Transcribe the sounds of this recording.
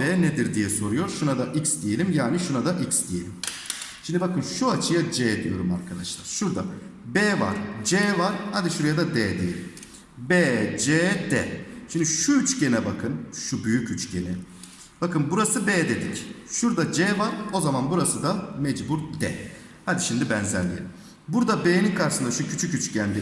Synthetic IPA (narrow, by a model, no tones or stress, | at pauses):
ɛːned̪iɾd̪ijɛso̞ɾujo̞ɾʃunad̪aʔicsd̪ije̞lʲimjaːniʃunad̪aʔicsd̪ije̞lʲim | ʃimd̪ibakʰɯnʃuat͡ʃʰɯjad͡ʒɛːd̪ijo̞ɾuma̰ɾkʰad̪aʃlˠa̰ɾ̥ʃuɾd̪a̰bɛːva̰ɾ̥d͡ʒeːvaɾhad̪iʃuɾjad̪ad̪ɛːd̪ijḛlʲim | beːd͡ʒɛːd̪ɛ̰ʃimd̪iʃuyt͡ʃcenɛbakʰɯnʃubyjycyt͡ʃcʰenɛ | b̥akʰɯnbuɾasɯbeːd̪e̞d̪icʃuɾd̪ad͡ʒɛːvaɾo̞zamanbuɾasɯd̪amɛd͡ʒbuɾd̪ɛ̰ | had̪iʃimd̪ibænzænlʲejilm | buɾd̪abeːninkʰaɾsɯnd̪aʃucʰyt͡ʃʰycyt͡ʃcænd̪i